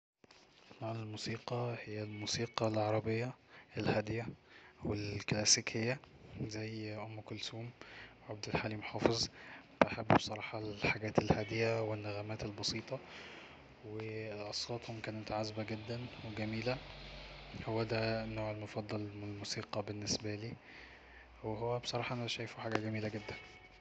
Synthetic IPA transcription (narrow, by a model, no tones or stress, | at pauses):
nːoːʕelmuːsiːqɑhejːælmuːsiːqɑlʕɑɾˤɑbejːɑʔelhæd̪jæwelklæːsikhejːæzæjʔomːkʊlsuːmwʕab̚d̪ælħaːlimoħɑːfezˤb̥aħabːbsˤɑɾˤɑːħɑħaɡæːt̪elhæd̪ejæwenːæɣæmæːt̪elbɑsiːt̪ˤɑ | weʔɑsˤɣɑːt̪homkæːnmt̪aʕazbæɡed̪ːænweɡæmiːlæ | howːæd̪ænoːʕelmofɑd̪ˤːɑlelmusiːqɑbenːesbæliː | weɦowːæbe̥sˤɑɾˤɑːħɑʔænæʃæːjfuħaːɡæɡæmiːlæɡed̪ːæn